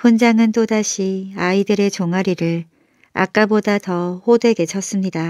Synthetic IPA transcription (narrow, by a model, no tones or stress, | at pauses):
ɸond͡ʑaŋɯnt͈odaɕʰiaidɯɾe̞t͡ɕoŋaɾiɾɯɭ | a̰k͈abodatʌhodwe̞ɡe̞t͡ɕʰʌs͈ɯmɲida